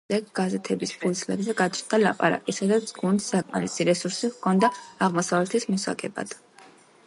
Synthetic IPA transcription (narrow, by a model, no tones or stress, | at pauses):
ɛɡɡazɛt̪ʰɛbispʰulsʰlɛbzɛɡat͡ʃʰt̪ʼd̪alapʼa̰ɾa̰kʼisad̪at̪sʰɡund̪sakʼmaɾisiɾɛsuɾsiʁkʰɔnd̪aaʁmɔsavlɛt̪ʰismɔsa̰ɡɛba̰d̪̥